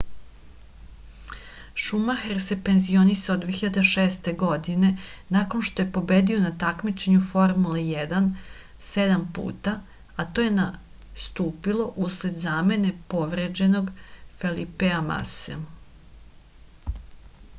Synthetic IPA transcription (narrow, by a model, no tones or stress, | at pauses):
ʃumaxeɾse̞pe̞nzio̞nisaod̪ʋeçiʎad̪eʃeːst̪e̞ɡo̞d̪ine̞naːko̞nʃt̪o̞je̞po̞bed̪io̞nat̪akmit͡ʃe̞ɲufo̞ɾmulejɛd̪an | se̞d̪ampṵːt̪a | at̪ojena | st̪uːpilo̞ʔusle̞d̪zame̞ne̞po̞ʋɾed͡ʒe̞no̞ɡfelipeama̰se